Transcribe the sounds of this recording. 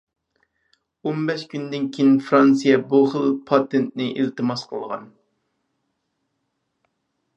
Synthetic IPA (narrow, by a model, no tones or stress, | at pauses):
ombɛʃkʲynd̪ɪnkʲʰijnfɾɑnsijɛbuχəlˠpʰɑt̪ʰent̪nɪʔilt̪ɨmɑsqʰəlˠʁɑ̰n